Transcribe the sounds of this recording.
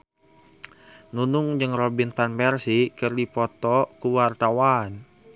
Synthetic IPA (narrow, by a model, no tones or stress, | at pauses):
nunʊŋd͡ʒɨŋrobinpanpɛrsikərdipɔt̪ɔkuwart̪awan